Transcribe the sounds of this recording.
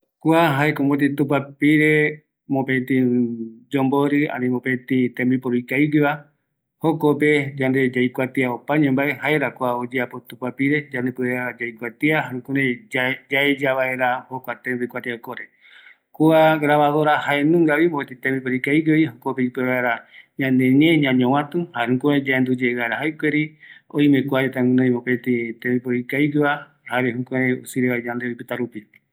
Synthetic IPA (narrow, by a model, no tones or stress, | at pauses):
kuaɦaekombot̪̬it̪ũpapiɾe | mõpet̪ĩd͡ʒomboɾɨa̰nĩmopẽt̪ĩt̪ẽmbipoɾoikaiɡɨβa | hokoped͡ʒand̪e̞d͡ʒajkʷat̪iaopaɲẽmbaehaeɾakwaod͡ʒeapo̞t̪ũpapiɾe̞d͡ʒand̪epɨead͡ʒajkʷat̪iaɦãkũɾẽd͡ʒaed͡ʒaβae̞ɾahokʷat̪ẽmbikʷat̪iaokoɾe | kuaɡɾaβaðoɾahaenũŋɡaβimõpet̪it̪ẽmbip̬oɾikajɡoiɦokopeipeβaeɾaɲãnẽɲẽɲãɲõw̃ãt̪ũhaehũkũɾẽd͡ʒaend̪ud͡ʒeaɾaɦajkʷeɾiõj̃mẽkʷaɾet̪ãŋɨ̃nõj̃mõpet̪it̪ẽbipoɾikajɡɨβa | haɾehũkẽɾeusiɾeβaed͡ʒand̪eojpɨt̪aɾupi